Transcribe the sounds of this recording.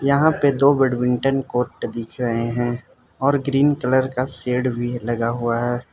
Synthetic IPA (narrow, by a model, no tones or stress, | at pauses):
jɐɦãped̪oːbɪɖwɪ̃ɳʈənkoːɾʈd̪ɪkʰɾɐɦeɦɛ̃ː | ɔːɾɡɾiːnkələɾkaseːɽbʱilɐɡaɦuaɦɛː